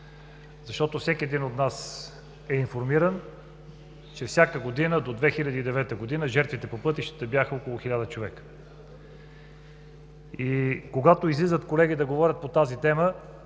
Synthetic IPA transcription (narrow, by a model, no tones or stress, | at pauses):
zɐʃt̪ɔt̪ofsʲɛkʲiɛd̪inot̪nas | ɛiɱfoɾmiɾən | t͡ʃɛfsʲjakəɡod̪inəd̪od̪vɛxilʲəd̪iːd̪ɛvɛt̪əɡod̪inəʒɛɾt̪vit̪ɛpopɤt̪iʃt̪ə̥t̪əbjaxəokolˠʊxilʲad̪ət͡ʃovɛkə̥ | ikoɡat̪oizlizət̪kolɛɡʲid̪ɐɡovɔɾʲət̪̚pot̪azit̪ɛmə